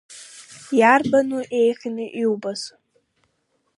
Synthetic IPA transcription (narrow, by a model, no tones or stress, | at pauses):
jarbanuʔe̞jχʲinɨʔiwbas